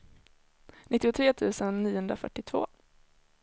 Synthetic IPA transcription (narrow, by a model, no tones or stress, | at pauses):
nɪt̪ːɪʊt̪ʰɾeːt̪ʰʉ̟ːsənːiːʊhɵnd̪ɾafœ̰ʈːɪt̪ʰvo̰ː